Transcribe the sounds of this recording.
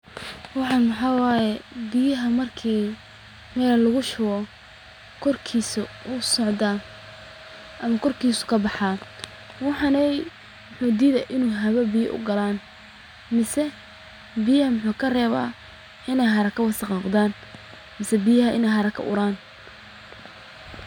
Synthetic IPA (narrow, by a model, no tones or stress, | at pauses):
wɑħɑnmɑħɑːwɑːjɛbɪjɐɦɐmɐrkʰiː | mɛːlɐlʊɣʊʃʊɣɔ | kʰɔrkʰiːsʊʊsɔʕd̪aː | ʔɐmɐkʰɔrkʰiːsʊ̥kʰɐbɑħaː | wɑħɑnɛj | mʊħuːd̪iːðɛjʔɪnuːɦɐβɐbɪjɐ̰ʔʊ̰ɡɐlaːn | mɪsɛ | bɪjɐhɐmʊħuːkʰɐrɛːβa̰ː | ʔɪnɛjɦɐɾɐkʰɐwɑsɑqnʊqd̪aːn | mɪsɛbɪjɐɦɐʔɪnɛjɦɐɾɐkʰɐ̰ʔʊ̰ɾaːn